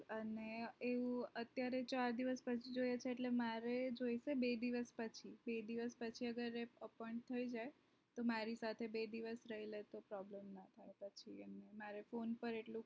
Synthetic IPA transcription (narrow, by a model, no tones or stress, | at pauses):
əneeʋũət̪jaɾet͡ʃaɾd̪iʋəspət͡ʃʰid͡ʒojet͡ʃʰeːʈlemaɾed͡ʒoiʃebed̪iʋəspət͡ʃʰibed̪iʋəspət͡ʃʰiəɡəɾeəpɔj̃ɳʈ̚t̪ʰəid͡ʒaj | t̪omaɾisat̪ʰebed̪iʋəsɾəɦilet̪opɾɔblemnat̪ʰajpət͡ʃʰiememaɾefonpəɾeʈlũ